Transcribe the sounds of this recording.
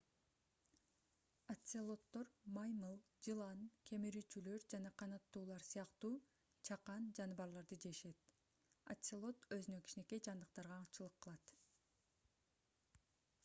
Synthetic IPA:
ɐt̪ʲselˠo̞t̪ːo̞ɾmɑjmɯlˠ | d͡ʒɯlˠɑnkʲʰe̞miɾyt͡ʃylø̞ɾd͡ʒɑnɑqʰɑnɑt̪ːuːlˠɑɾsɯjɑqt̪uː | t͡ʃʰɑqɑnd͡ʒɑnɑbɑɾlˠɑɾd̪ɯd͡ʒe̞ʃe̞t̪ | a̰t̪ʲselˠo̞t̪øzynøkʰʲi̥ʃine̞ke̞d͡ʒɑnd̪ɯqt̪ɑɾʁɑt͡ʃɯlˠɯqːɯlˠɑt̪

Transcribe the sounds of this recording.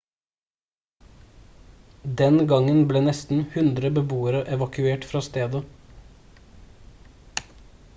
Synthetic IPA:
d̪ɛnɡɑŋənbleːnɛst̪n̩hʉnd̪ɾəbəbuːəɾəʔɛʋɑkʉeːʈfɾɑːst̪eːd̪ə

